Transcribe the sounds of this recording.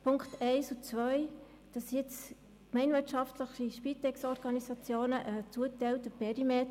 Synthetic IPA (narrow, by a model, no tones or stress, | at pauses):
pʰʊŋkχtɛɪsut͡sʋœj | d̥ɑsjɪt͡s | kmɛɪndʋɪtʃɑftləχiʃpiːt̪ɛksɔɾɡ̥ɑnisɑt͡sjoːnəʔət͡suətɛɪlt̪əpɛɾimɛt